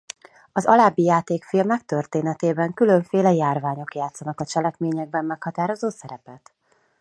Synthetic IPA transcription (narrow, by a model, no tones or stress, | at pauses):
ɒzɒlaːbːijaːt̪eːkfilmɛkt̪ørt̪eːnɛt̪eːbɛŋkyløɱfeːlɛjaːrvaːɲo̞kjaːt̪sɒnɒkɒt͡ʃɛlɛkmeːɲɛɡ̚bɛmːɛkhɒt̪aːɾo̞zoːsɛɾɛpɛt̪